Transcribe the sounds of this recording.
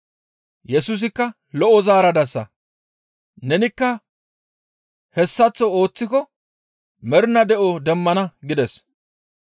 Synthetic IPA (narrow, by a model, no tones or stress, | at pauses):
jɛsus̬ɪkːɐ | lɔʔɔzaːɾɐd̪ɐsːɐ̰ | nɛnɪkːɐ | hɛsːɐt͡sːɔo̞ːt͡sːɪkɔ | mɛɾnɐd̪ɛʔɔd̪ɛmːɐnɐɡɪd̪ɛs